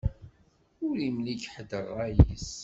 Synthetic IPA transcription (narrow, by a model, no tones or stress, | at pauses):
ʊɾimliɡħəd̪əʁæjəs